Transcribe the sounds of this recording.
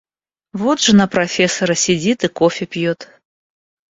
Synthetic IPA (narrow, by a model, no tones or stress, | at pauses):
vod̪ʐɨnɐpɾɐfʲesɐɾɐsʲɪd͡zʲit̪ɨkofʲɪpʲjot̪